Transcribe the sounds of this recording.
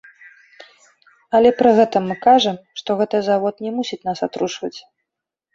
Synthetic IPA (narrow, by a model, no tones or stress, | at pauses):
ɐlʲɛpɾɨɣɛt̪ɐmːɨkaʐɐmʂt̪ɔɣɛt̪ɨzavɔt̪nʲɛmusʲit͡sʲnasat̪ɾuʂvɐt͡sʲ